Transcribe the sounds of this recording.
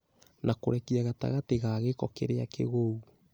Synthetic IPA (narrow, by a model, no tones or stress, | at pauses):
nakoɾɛkiaɣata̰ɣateɣaɣekɔkeɾeakḛɣou